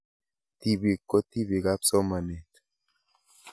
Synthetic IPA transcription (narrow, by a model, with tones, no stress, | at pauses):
t̪i˦bi˨kːo˦t̪i˦βi˨ɡa˦pso˦ma˨ne˨t̪